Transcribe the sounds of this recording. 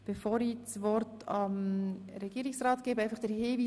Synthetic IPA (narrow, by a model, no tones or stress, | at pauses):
b̥efoːɾit͡sʋɔɾtɑm | ɾɛɡ̥iːɾiksrɑːtɡ̥eːbəɛɪfɑχd̥əɾheːviː